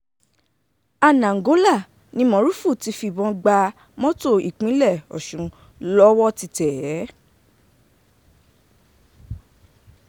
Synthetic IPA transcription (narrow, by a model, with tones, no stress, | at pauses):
a˧˨nã˨ŋ̩˨ɡo˨˦la˦˨ | nĩ˧mɔ̃˨˦ɾu˦fu˦˨ti˧˦fi˧˨bɔ̃˧ɡ͡ba˧ | mɔ̃˦to˦˨i˨k͡pĩ˨˦lɛ˦˨ɔ̰˨ʃũ˨ | lɔ˦wɔ˦ti˧tɛ˨jɛ˨˦